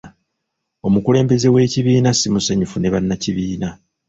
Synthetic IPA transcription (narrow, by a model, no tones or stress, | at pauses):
o̞mukule̞ːmbe̞ze̞we̞ːciβiːnasimusaɲufune̞βanːaciβiːna